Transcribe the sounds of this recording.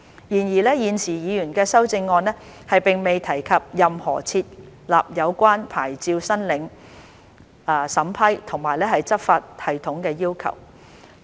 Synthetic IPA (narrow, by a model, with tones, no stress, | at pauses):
jiː˨˩njiː˨˩lɛː˥jiː˨nsʰiː˨˩jiː˨˧jyː˨˩nkɛː˧sɐ˥wt͡sɪ˧ŋːɔː˧nɛː˥hɐ˨jpɪ˨ŋme˨jt̪ʰɐ˨˩jkʰɐ˨p̚jɐ˨mhɔ̰ː˨˩t͡sʰiː˧t̚ | la̰ː˨p̚jɐ˨˧wkʷaː˥npʰa̰ː˨˩jt͡siː˧wsɐ˥nlɪ˨˧ŋ˨˧ | sɐ˨˥mpʰɐ˥jt̪ʰʊ˨˩ŋmaː˨˩jlɛː˥hɐ˨jt͡sɐ˥p̚faː˧t̚hɐ˨˩jt̪ʰʊ˨˥ŋkɛː˧jiː˥wkʰɐ̰˨˩w